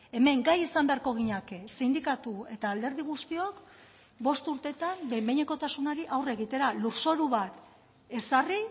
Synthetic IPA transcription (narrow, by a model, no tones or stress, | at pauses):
e̞me̞ŋɡajesambe̞aɾko̞ɣ̞iɲakesind̪ikat̪ue̞t̪aːld̪e̞ɾð̞iɣ̞ust̪io̞k | bo̞st̪uɾt̪e̞t̪ambebeɲeko̞t̪asunaɾiʔawre̞ɣ̞it̪e̞ɾaluɾso̞ɾuβat̪ | e̞sari